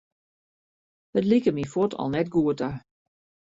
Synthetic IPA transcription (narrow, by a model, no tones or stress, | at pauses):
ətlikəmifotʰɔ̰lˠnɛtɡuətə